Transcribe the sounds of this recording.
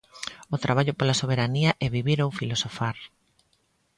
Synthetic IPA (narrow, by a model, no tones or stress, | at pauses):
ot̪ɾaβ̞aʎopolasoβ̞eɾaniɐʔɛβiβiɾowfilosofaɾ